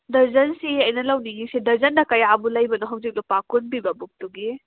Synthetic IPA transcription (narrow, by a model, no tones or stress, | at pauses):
dɐɾzɐnsiɐjnɐlɐwniɡisidɐɾzɐndɐkɐjabulɐjbɐnuɦɐwzik̚lupakunbibɐbuk̚tuɡi